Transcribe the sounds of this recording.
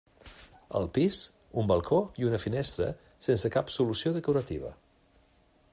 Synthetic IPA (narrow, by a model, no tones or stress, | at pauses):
ə̰lˠpis | umbəlˠkʰoiunəfinest̪ɾə̰ | sensəkapsulusioðəkuɾət̪iβ̞ə̰